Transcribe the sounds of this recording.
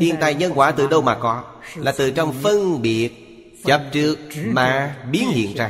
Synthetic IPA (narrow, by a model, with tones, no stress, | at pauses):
ḭ˧ənt̪aː˧˨˩jɲə˧nkwaː˧˩t̪ɨ˨˩ɗə˧wmaː˨˩kɔ˨˦ | laː˨˩t̪ɨ˨˩t͡ɕɔ˧wŋ͡mfə˧nɓi˨˩ət̚ | t͡ɕə˨˩p̚t͡ɕɨ˨˩ək̚maː˨˩ɓi˨˦ənhḭ˧˨ənzaː˧˩